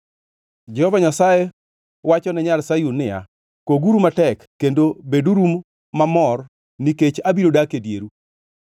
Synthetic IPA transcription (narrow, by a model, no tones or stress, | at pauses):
d͡ʒɛhɔvaɲasaje | wat͡ʃɔnɛɲalsajunɪja̰ | koɡuɾumatɛkːendobeduɾumː | amɔr | niket͡ʃabiɾodakedjeɾu